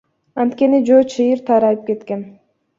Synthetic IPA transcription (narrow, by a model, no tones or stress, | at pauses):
ɑnt̪ke̞nid͡ʒoːt͡ʃʰɨjɯɾt̪ʰɑɾɑjɯp̚ke̞t̪ke̞n